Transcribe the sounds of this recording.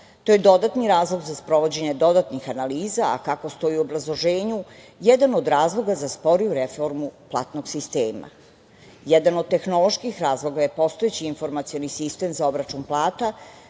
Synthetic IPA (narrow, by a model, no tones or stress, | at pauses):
t̪o̞jed̪o̞d̪at̪niɾaːzlˠo̞ɡzaspɾo̞ʋo̞d͡ʑe̞ɲed̪o̞d̪at̪nixanaliːza̰ːkako̞st̪o̞jiuobɾazlˠo̞ʒe̞ːɲu | jɛd̪ano̞d̪ɾaːzlˠo̞ɡazaspo̞ɾijuɾefo̞ɾmuplˠaːt̪no̞ɡsist̪eːma̰ | jɛd̪anod̪̚t̪e̞xno̞lˠo̞ʃkixɾaːzlˠo̞ɡajepo̞st̪oet͡ɕiːnfo̞ɾmat̪sio̞nisist̪e̞mzao̞bɾat͡ʃunplˠaːt̪a